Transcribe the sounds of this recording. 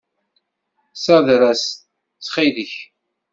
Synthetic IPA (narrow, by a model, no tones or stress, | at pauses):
sæðɾæs | t͡sχiðəç